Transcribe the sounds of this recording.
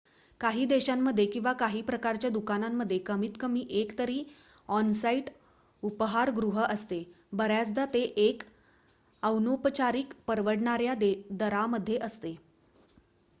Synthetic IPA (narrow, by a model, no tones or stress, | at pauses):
kaɦiːd̪eɕamːəd̪ʱːjekĩw̃ʋakaɦiːpɾəkaɾt͡ɕjad̪ukanamːəd̪ʱːjekəmiːt̪kəmiːʔekt̪əɾiː | ɔnsaiʈ | upəɦaɾɡɾuɦəʔəst̪e | bəɾjat͡sd̪at̪eʔek | əwnopət͡ɕaɾiːkpəɾʋəɽɳaɾjad̪d̪əɾaməd̪ʱːjeʔəst̪e